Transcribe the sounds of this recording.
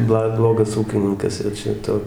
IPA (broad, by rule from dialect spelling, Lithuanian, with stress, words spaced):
ˈblˠɐ ˈblˠoːɡɐs ˈuːkʲɪnʲɪŋkɐs jɛʊ ˈt͡ʃʲɛ ˈtʊ